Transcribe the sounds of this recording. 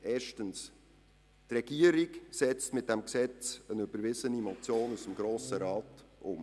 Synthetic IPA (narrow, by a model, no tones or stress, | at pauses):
ʔɛːʃtəns | trɛɡ̥iəɾiksɛt͡stmɪt̚d̥ɛmksɛt͡sənybəɾvɪzənimɔt͡sjoːnusəmɡɾoːsəɾɑːtʔʊ̰m